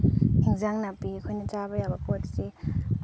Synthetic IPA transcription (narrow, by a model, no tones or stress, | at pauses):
iŋzaŋnapikʰojnat͡ʃabɐjabɐkotse